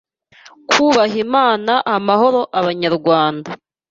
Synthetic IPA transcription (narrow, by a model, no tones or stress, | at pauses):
kuːβaɦimaːnaʔamaɦo̞ɾo̞ʔaβaɲaɾɡwaːnda